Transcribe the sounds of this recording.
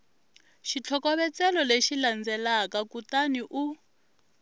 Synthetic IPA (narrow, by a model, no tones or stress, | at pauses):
ʃit͡ɬʰɔkɔβɛt͡sɛlɔleʃiland͡zɛlakakutaniʔu